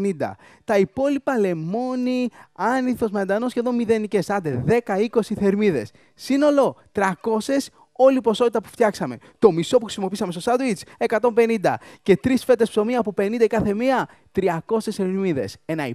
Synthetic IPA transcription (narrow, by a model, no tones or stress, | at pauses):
nind̪ɐ̰ | t̪ɐipo̞lipɐle̞mo̞niɐniθo̞zmeɐnd̪ɐno̞sçe̞ðo̞nmiðe̞nice̞sɐnd̪eðe̞kɐiko̞siθeɾmiðe̞s | sino̞lo̞t̪ɾɐko̞se̞s | o̞lipo̞so̞t̪it̪ɐpu̥ft̪çɐksɐme̞̰t̪o̞miso̞p̬uxɾisimopiisɐmest̪o̞sɐd̪wit͡se̞kɐt̪o̞mbe̞nind̪ɐ̰ce̞t̪ɾisfe̞t̪e̞spso̞miɐːpope̞nĩnd̪ɐkɐθe̞miɐ | t̪ɾiɐko̞se̞sθeɾmiðe̞̰se̞nɐi